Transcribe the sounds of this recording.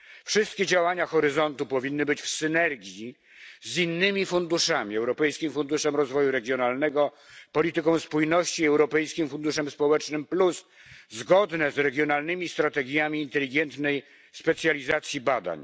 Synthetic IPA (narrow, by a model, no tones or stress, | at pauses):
fʂɘst̪̚kʲɛd͡ʑawaɲaxɔɾɘzɔnt̪upɔvʲinːɘbɘt͡ɕfsɘnɛɾɡʲji | zinːɘmʲifund̪uʂamʲiɛwɾɔpɛjskʲimfund̪uʂɛmɾɔzvɔjuɾɛɡʲjɔnalnɛɡɔ | pɔlʲit̪ɘkɔ̃w̃spujnɔɕt͡ɕiɛwɾɔpɛjskʲimfund̪uʂɛmspɔwɛt͡ʂnɘmpluszɡɔd̪nɛzɾɛɡʲjɔnalnɘmʲist̪ɾat̪ɛɡʲjamʲiːnt̪ɛlʲiɡɛnt̪nɛj | spɛt̪sʲjalʲizat̪sʲjibad̪a̰ɲ